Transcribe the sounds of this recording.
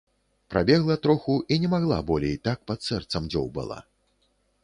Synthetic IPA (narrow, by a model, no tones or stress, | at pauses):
pɾabʲɛɣlˠɐt̪ɾɔxuʔinʲɛmaɣlˠa̰bɔlʲḛjt̪ak̚pat̪sɛrt̪sɐmd͡zʲɔ̰wbɨ̰lˠa̰